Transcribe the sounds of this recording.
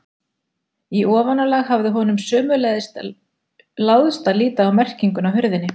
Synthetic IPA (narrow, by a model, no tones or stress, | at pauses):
iɔːvanalaɣhavðɪɦɔnʏmsœːmʏlɛðst̪ | lawðst̪aliːt̪aːwmɛr̥ciŋkʏnawɦʏɾðɪnːɪ